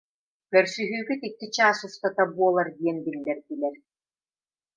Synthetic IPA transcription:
kɛɾsyɦyːkit̪it̪ːit͡ɕaːsust̪at̪abuɔlˠaɾd̪iɛnbilʲːɛɾt̪ilɛɾ

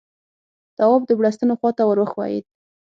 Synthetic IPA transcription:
d̪̥ɑwɑbd̪əbɽast̪ənoxwɑt̪awəɾwəxwɑ̰jḭd̪̚

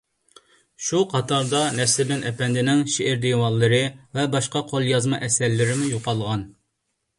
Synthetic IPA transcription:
ʃuqʰɑt̪ʰɑɾd̪ɑnɛsɪblɪnʔɛpɛnd̪ɪnɪŋʃeʔɪɾd̪ejwɑlˠːəɾɨvɛbɑʃqɑqʰolˠjɑzmɑʔɛsɛɾlːɪɾɪmujoqɑlˠʁɑn

